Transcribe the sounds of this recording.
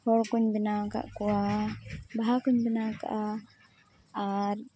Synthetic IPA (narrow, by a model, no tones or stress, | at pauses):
hɔɽkuɲbinaka̰ʔkuwa | baɦakuɲbinaka̰ʔa | aɾ